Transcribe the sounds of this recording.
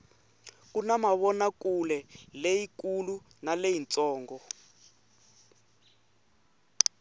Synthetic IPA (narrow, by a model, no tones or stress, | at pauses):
kunamaβɔnakulɛlejikulu | nalejint͡sʼɔːŋɡɔ